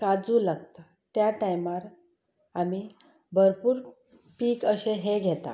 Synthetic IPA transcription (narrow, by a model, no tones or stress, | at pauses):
kad͡zuːlaɡt̪a | t̪jaʈajmaɾ | ami | bʱəɾpuːɾ | piːkəɕeɦeɡʱɛt̪a̰